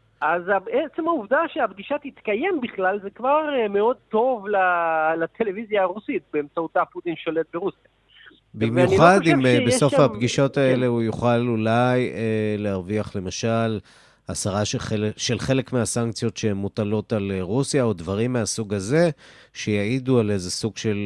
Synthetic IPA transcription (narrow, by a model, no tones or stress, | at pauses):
ʔazabeet͡semhauvdaʃeabɡiʃathit̪kaje̞mbiχlalzekvaʁmeo̞d̪̚to̞vlalat̪ʰelevizjaːʁusit̪̚beːmt͡sautaput̪inʃo̞let̪̚beʁusja | bimjunχad̪imeso̞fhapɡiʃo̞t̪aele̞ujuχalulajelehaʁviaχle̞maʃal | asaʁaʃʃe̞lχe̞le̞kmeasaŋkt͡sijo̞tʃehemːut̪alo̞talʁusjaodvaʁimːeasuɡaze̞ʃejaiduale̞ze̞suɡ̥ʃe̞l